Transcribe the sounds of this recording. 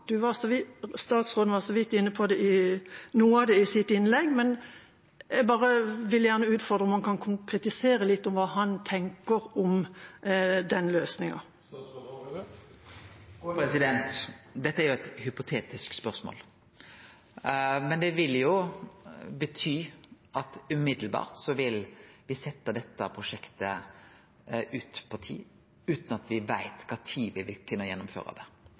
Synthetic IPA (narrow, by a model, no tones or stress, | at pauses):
d̪̥ʉʋɑʁsɔʋɪst̪ɑːt̪sʁoːd̪nʋɑʁsɔʋɪt̪ːɪnːəpʰɔd̪ɛɪnuːəɑd̪ɛɪsɪt̪ːɪnlɛɡːmɛn | ɛɡbɑːʁəʋɪljæʁnəʉːt̪fɔʁd̪ɾəɔmhɑnkʰɑnkʰʊŋkʰɾɛt̪ɪseːɾəlɪt̪ːɔmʋɑːhɑnt̪ʰɛŋkəɾɔm | d̪ɛnløːsnɪŋɑ̰ | pɾɛsɪd̪ɛnt̪d̪ɛt̪ːəæɾjʊɛt̪hʏpʊt̪ʰeːt̪ɪskspœʁsmo̰ːl | mɛnd̪ɛʋɪljʊ | bət̪ʰyː | ɑt̪ʉmɪd̪l̩bɑ̰ːʁt̪sɔʋɪlʋɪsɛt̪ːəd̪ɛt̪ːəpʰʁʊʂɛkt̪ə | ʉːt̪pʰɔt̪ʰḭː | ʉːt̪nɑt̪ʋɪʋæɪt̪kʰɑːt̪ʰiːʋɪʋɪlkʰʉnːəjɛnːʊmfø̰ːʁə̰d̪ɛ̰